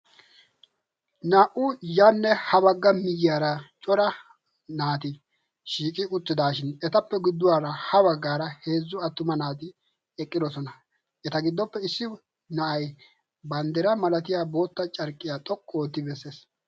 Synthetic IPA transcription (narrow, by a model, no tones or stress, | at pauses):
naːʔʊjanːɛhɐbɐɡːɐmɪjɪjaːɾɐt͡ʃʼɔɾɐ | naːt̪ɪ | ʃiːkʼɪʊt̪ːɪd̪aːʃɪnɛt̪ɐpːɛɡɪd̪ːʊwaːɾɐhɐbɐɡːaːɾɐhe̞ːzːʊɐt̪ːʊmɐnaːt̪̬ɪ | ɛkʼːɪd̪ɔsɔnɐ | ʔɛt̪ɐɡɪd̪ːɔpːɛɪsːɪ | nɐʔɐj | bɐnd̪ɛɾɐmɐlɐt̪ɪjaːbo̞ːt̪ːɐt͡ʃʼɐɾkʼːɪjat̪ʼɔkʼːoːt̪ːɪbɛsːe̞ːs